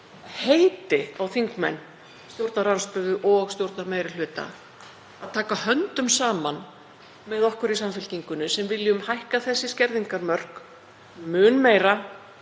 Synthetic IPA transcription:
hejt̪ɪawθiŋkmɛ̰nː | st̪jowɾt̪naɾawnsp̪œðʏʔɔɣst̪jowɾt̪nameːjɾɪl̥ʏːt̪a̰ | aðt̪ʰaːkahœnt̪ʏmsaːman | mɛðɔhkʏɾis̬amfɪlciŋkʏnʏsɛmvɪljʏʏmhajhkaθɛsːɪscɛɾðiŋkaɾmœr̥k | mʏːnmeːjɾa

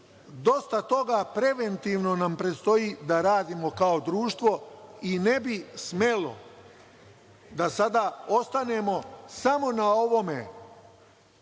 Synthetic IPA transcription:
d̪o̞st̪at̪o̞ɡapɾe̞ʋe̞nt̪iʋno̞nampɾet̪st̪o̞jid̪aɾaːd̪imo̞kao̞d̪ɾuːʃt̪ʋo̞ine̞bisme̞lo̞̰ | d̪asad̪ao̞st̪ane̞mo̞samo̞nao̞ʋo̞mḛ

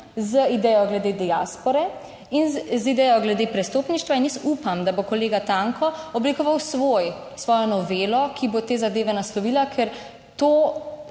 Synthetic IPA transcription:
zəid̪ɛjɔɡlɛd̪eːd̪ɛaːspɔɾɛ | inzid̪ɛjɔɡlɛd̪epɾɛst̪oːpniʃt̪ʋainjɛsupamd̪abokɔleːɡat̪aŋkɔɔblikɔʋawsʋojsʋɔːjɔnɔʋeːlɔkʰibot̪eːzad̪eːʋɛnaslɔʋiːlakʰɛɾ | t̪oː

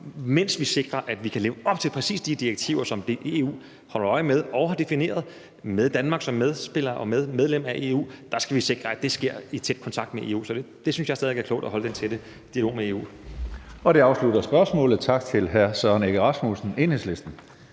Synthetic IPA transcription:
men̰sʋise̝ɡ̥ʁɐʔæd̥ʋikʰæle̝ːʊəɒ̽b̥t͡sʰe̝lpʰʁɛsḭːsd̥id̥ieɡ̥̚t͡sʰiʊ̰ɐsɒ̽md̥eʔe̝ṵː | hɒ̽l̰ɐɒɪmeð̞ˠɒ̽ʊhɑ̈d̥e̝fine̝̰ːɐð̞ˠ | með̞ˠd̥ænmɑ̈ɡ̥sɒ̽mːeð̞ˠsb̥e̝l̰ɐʔɒ̽með̞ˠmeð̞ˠlem̰æʔe̝̰ːṵːd̥ɑ̈sɡ̥æʋise̝ɡ̥ʁɐæd̥e̝sɡ̥e̝ɐ̰it͡sʰed̥̚kʰɒ̽nt͡sʰɑ̈ɡ̥d̥meʔe̝̰ːṵːsɒd̥ed̥e̝synsjɑɪsɛðˠeɡæɐkʰlɔ̰ʊd̥æɦɒ̽ləd̥ent͡sʰed̥ə | d̥iælo̝̰ːmee̝ːṵː | ɒ̽ɾ̥eɑ̈ʊsluɾɐsb̥ɶɐsmɔ̰̽ːlð̩ˠt͡sʰɑ̈ɡ̥̚t͡sʰe̝lɦæɐsœɐneɡ̥əʁɑ̈smusn̩e̝ːnhesle̝sd̥n̩

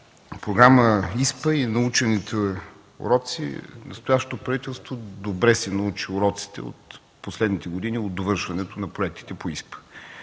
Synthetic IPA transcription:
pɾoɡɾaməispəinɐut͡ʃɛnit̪ʰə | o̰ɾɔt̪sḭnɐst̪ojaʃt̪o̥t̪opɾɐvit̪ɛlˠst̪vod̪obɾɛsɛnɐut͡ʃioɾɔt̪si̥t̪ɛ̰o̰t̪ | poslɛd̪nit̪ɛɡod̪iniod̪̚d̪ovɤɾʃvɐnɛt̪onɐpɾoɛk̚t̪i̥t̪ɛpoispə̥

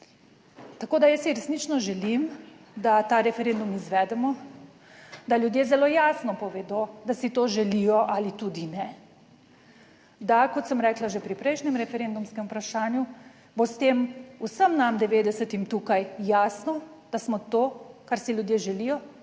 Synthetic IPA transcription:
t̪akoːd̪ajəsiɾɛsnit͡ʃnɔʒɛlim | d̪at̪aːɾɛfɛɾend̪umizʋɛd̪ɛmɔ | d̪alʲjud̪jeːzɛloːjaːsnɔpɔʋed̪od̪asit̪oʒɛlijɔʔalit̪ud̪inɛ | d̪akɔt̪səmɾɛːklaʒepɾipɾɛjʃnɛmɾɛfɛɾend̪umskɛmupɾaʃaːnju | bost̪eːmusəmnamd̪ɛʋeːd̪ɛsət̪imt̪uːkajːaːsnɔd̪̥asmɔt̪oːkaɾsiljud̪jeːʒɛlijɔ

